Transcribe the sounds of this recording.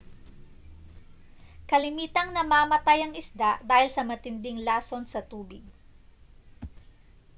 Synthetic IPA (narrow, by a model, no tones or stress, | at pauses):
kɐlɪmiːt̪ɐŋnɐmaːmɐt̪ajɐŋɪsd̪aʔd̪aːhɪlsɐmɐt̪ɪnd̪ɪŋlaːso̞nsɐt̪uːbɪɡ̚